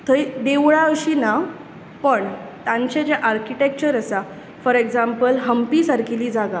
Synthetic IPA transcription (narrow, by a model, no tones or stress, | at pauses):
t̪ʰəjd̪eʋɭaəɕiːna | pəɳt̪ãɲt͡ɕed͡ʑaʔaɾkiʈek̚t͡ɕəɾəsa | fəɾeɡd͡zãmpəlɦəmpisaɾkʰiliːd͡zaɡa